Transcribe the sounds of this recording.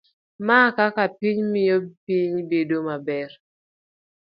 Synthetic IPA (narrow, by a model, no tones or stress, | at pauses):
makakapiɲmɪjopiɲbedomabɛr